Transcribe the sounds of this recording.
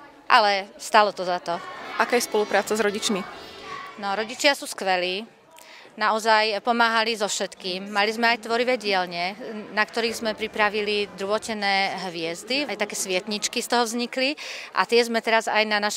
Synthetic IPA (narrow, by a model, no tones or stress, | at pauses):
ʔalɛst̪alɔt̪ɔzat̪ɔʔakaːjɛspɔlupɾaːt͡sazɾɔɟit͡ʃmi | nɔɾɔɟit͡ʃɪasuːskʋɛliː | naɔzajpɔmaːɦalizɔfʃɛt̪kiːmːalizmɛajt̪ʋɔɾiʋɛːɟɪɛlɲɛnakt̪ɔɾiːɣzmɛpɾipɾaʋilid̪ɾuʋɔcɛnɛːɦʋɪɛzd̪iajt̪akɛːsʋɪɛt̪ɲit͡ʃkist̪ɔɦɔvzɲikliʔa̰t̪ɪɛzmɛt̪ɛɾazajnanaʃ